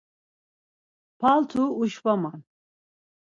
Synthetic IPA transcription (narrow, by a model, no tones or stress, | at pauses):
pʰalt̪ʰuːʃvaman